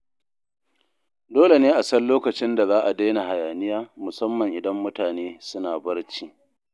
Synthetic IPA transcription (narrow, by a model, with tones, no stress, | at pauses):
doː˦le˨neː˦ʔa˨sɐ˦nloː˦kɐ˨t͡ʃɪ˦nda˨zaː˦ʔa˨da˦jna˨ɦa˨jaː˨nɪ˦jaː˦mʊ˨sɐ˦mːɐ˨ŋʔɪ˨dɐ˦mːʊ˦taː˨neː˦sʊ˦naː˨bɐ˦rt͡ʃiː˦